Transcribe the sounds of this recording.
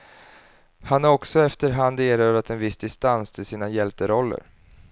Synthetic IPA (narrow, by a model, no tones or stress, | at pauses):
hanaɾɔksɔɛft̪əɾɦand̪eːɾœːɾat̪ɛnvɪsːd̪ɪst̪anst̪ʰɪlsiːnajɛlt̪əɾɔlːə̰ɾ